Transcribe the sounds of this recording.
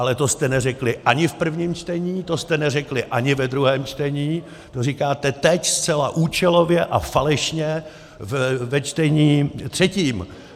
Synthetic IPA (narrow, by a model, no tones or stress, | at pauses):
ʔalɛt̪o̞st̪ɛnɛrɛklɪʔaɲɪfpr̩vɲiːmt͡ʃt̪ɛɲiːt̪o̞st̪ɛnɛrɛklɪʔaɲɪvɛd̪ɾuɦɛːmt͡ʃt̪ɛɲiː | t̪orikaːt̪ɛt̪ɛcst͡sɛlaʔuːt͡ʃɛlo̞vjɛʔa̰falɛʃɲɛ | vvɛt͡ʃt̪ɛɲiːt̪r̝̥ɛciːm